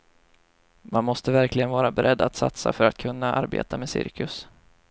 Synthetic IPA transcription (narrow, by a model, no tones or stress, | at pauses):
manmɔst̪əvæɾklɪɡənvɑːɾabɛɾʔɛd̪ːat̪sa̰t̪sa̰fœɾat̪̚kʰɵnːaʔaɾbḛːt̪ameːsɪ̰ɾkʰɵs